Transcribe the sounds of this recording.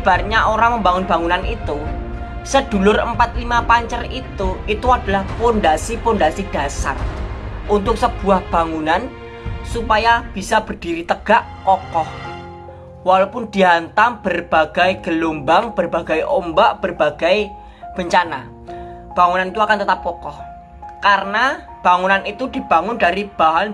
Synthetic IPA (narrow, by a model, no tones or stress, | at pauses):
b̥arɲaʔoɾaŋməmbaŋʊnbaŋunanit̪u | səd̥ulʊrəmpat̪̚limapaɲt͡ʃərit̪uʔit̪uadalahpondasipondasid̥a̤sa̰rʔunt̪ʊk̚səb̥ṳahb̥a̤ŋunan | supajab̥isab̥ərd̥iɾit̪əɡ̥aʔkɔkɔh | walapʊndiɦant̪aŋb̥ərb̥aɡ̥ajɡ̥əlumbaŋb̥ərbaɡajʔombaʔb̥ərb̥aɡ̥aj | b̥əɲt͡ʃana̰ | b̥aŋunanit̪uakant̪ət̪ap̚kɔkɔh | kaɾəna | b̥aŋunanit̪ud̥i̤b̥a̤ŋʊndaɾib̥aɦan